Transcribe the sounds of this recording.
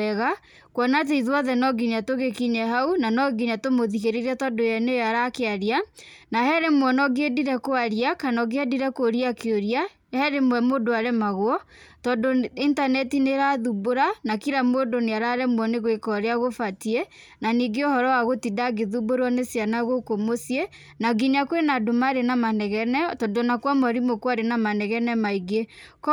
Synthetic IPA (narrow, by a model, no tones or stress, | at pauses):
ɛɣa | kwɔnat̬eiðwaðɛnɔɡiɲatoɣekiɲɛɦaunanɔɡiɲatomoðiɣeɾeɾiatɔdojɛnejaɾakeaɾianahɛɾemwɔnɔɡediɾɛkoaɾiakanɔɡeadiɾɛkoɾiakeoɾia | hɛɾemwɛmoːdoaɾɛmaɣwɔtɔdointanɛtineɾaðuboɾanakiɾamoːdoneaɾaɾɛmwɔneɣwekɔɾeaɣofatiɛ | naniɡeohɔɾɔwaɣotidaɡeðuboɾwɔnesjanaɣokomosjɛ | naɡineakwenadomaɾenamanɛɣɛnɛtɔndonakwamaɾimokwaɾenamanɛɣɛnɛmaiɡek